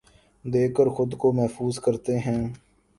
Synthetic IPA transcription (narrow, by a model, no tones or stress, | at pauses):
d̪eːkəɾxʊd̪komɛɦfuːzkəɾt̪eɦɛ̃ː